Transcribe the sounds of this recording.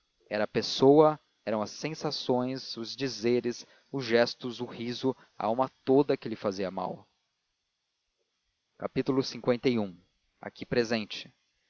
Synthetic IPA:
ɛɾɐːpesowɐ | ɛɾɐ̃w̃ɐsːẽsasõj̃sʊzd͡ʒizeɾɪs | ʊzʒɛst̪ʊzʊhizʊ | a̰awmɐt̪od̪ɐkɪlɪfaziɐma̰w | kapit̪ulʊsĩŋkwẽnt̪ejũ | a̰kipɾezẽnt͡ʃɪ̥

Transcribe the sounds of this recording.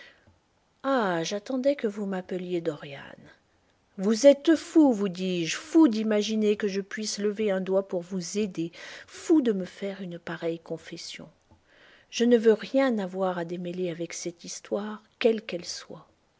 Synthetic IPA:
aʒat̪ɑ̃d̪ɛkəvumapəljed̪ɔʁja̰n | vuzɛt̪fuvud̪iːʒfud̪imaʒinekəʒəpɥisləveɛ̃d̪wapuʁvuzed̪efud̪əməfɛʁynpaʁɛjkɔ̃fɛsjɔ̰̃ | ʒ̥ənəvøʁjɛ̃navwaʁad̪emeleavɛksɛt̪ist̪waʁkʲɛlkɛlswa

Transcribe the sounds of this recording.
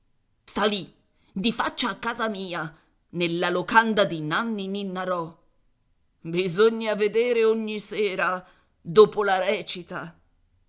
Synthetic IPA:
st̪ali | d̪ifat͡ʃːaːkːaːzamiːa | nelːalokand̪ad̪inanːininːaɾɔ | bizoɲːaved̪eːɾeoɲːisɛːɾa | d̪oːpolaɾɛːt͡ʃit̪a

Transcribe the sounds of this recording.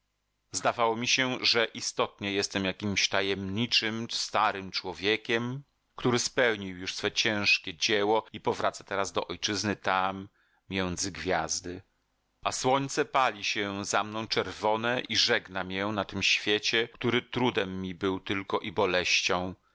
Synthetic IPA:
zd̪avawɔmʲiɕɛʐɛʔist̪ɔt̪ɲɛjɛst̪ɛmjakʲimɕt̪ajɛmɲit͡ʂɘmst̪aɾɘmt͡ʂwɔvʲjekʲɛm | kt̪uɾɘspɛwɲiwjuʂsfɛt͡ɕɛ̃w̃ʂkʲɛd͡ʑɛwɔipɔvɾat̪sḁt̪ɛɾazd̪ɔʔɔjt͡ʂɘznɘt̪amːʲ | jɛnd̪zɘɡvʲjazd̪ɘ | ʔaswɔɲt̪sɛpalʲiɕɛzamnɔ̃w̃t͡ʂɛɾvɔnɛʔiʐɛɡnamʲjɛnat̪ɘmɕfʲjet͡ɕɛkt̪uɾɘt̪ɾud̪ɛmːibɘwt̪ɘlkɔʔibɔlɛɕt͡ɕɔ̃w̃

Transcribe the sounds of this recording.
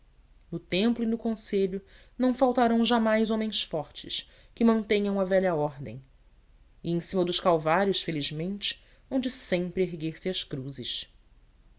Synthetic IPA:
nʊt̪ẽmplʊinʊkõseʎʊ | nɐ̃w̃fawt̪aɾɐ̃w̃ʒamajzõmẽj̃sfɔɾt͡ʃɪ̰ʃ | kɪmɐ̃nt̪ẽɲɐ̃w̃ɐvɛʎɐɔɾd̪ḛ̃j̃ | ɪẽj̃sĩmɐd̪ʊʃkawvaɾjʊʃfeliʒmẽnt͡ʃɪ̥ | õw̃d͡ʒɪsẽmpɾɪeɦɡeɾsɪɐʃkɾuzɪʃ

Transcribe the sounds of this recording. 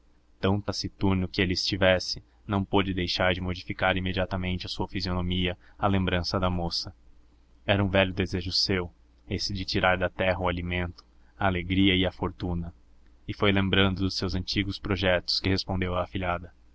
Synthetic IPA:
t̪ɐ̃nt̪ɐsit̪uɾnʊkɪelɪɪst͡ʃivɛsɪ | nɐ̃w̃pod͡ʒɪd̪ejʃaɾd͡ʒɪmod͡ʒifikaɾimed͡ʒiat̪ɐmẽnt͡ʃɪɐsuɐfizionomiɐɐlẽmbɾɐ̃sɐd̪ɐmosɐ | ɛɾɐũvɛʎjʊd̪ezeʒʊsew | esɪd͡ʒɪt͡ʃiɾaɾd̪ɐt̪ɛɦɐʊalimẽnt̪ʊ̥ | ɐːleɡɾiɐɪɐfoɾt̪ũnɐ | ɪfojlẽmbɾɐ̃nd̪ʊd̪ʊsewzɐ̃nt͡ʃiɡʊspɾoʒɛt̪ʊ̥skɪhespõnd̪ewɐːfiʎad̪ɐ

